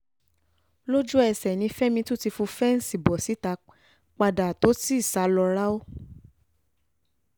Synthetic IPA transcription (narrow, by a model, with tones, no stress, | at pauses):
lo˦d͡ʒu˦ɛ˧˨sɛ˨nĩ˧fɛ˦mĩ˧tũ˦˨ti˧fũ˧fɛ˦n̩˦si˦˨bɔ˨si˨˦ta˧ | k͡pa˧da˨to˨˦ti˦i˦˨sa˨˦lɔ˧ɾa˦o˦